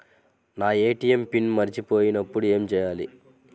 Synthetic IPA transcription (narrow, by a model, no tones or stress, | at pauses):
naːeːʈijempinmɐɾit͡ʃipo̞ːjinɐpːuɽue̞ːmt͡ʃɛːjaːlḭ